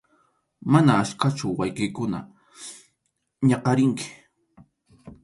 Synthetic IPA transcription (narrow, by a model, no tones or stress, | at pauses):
manaːʃkat͡ʃʊwajkɪjkʊna̰ | ɲɑqɑɾɪŋkɪ̥